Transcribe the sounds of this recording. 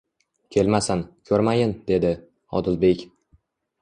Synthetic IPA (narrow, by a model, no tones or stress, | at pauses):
kʲʰe̞lmasankʲʰɵɾmajɪnd̪e̞d̪ɪ | ɒ̰d̪ɪlbe̞kʲ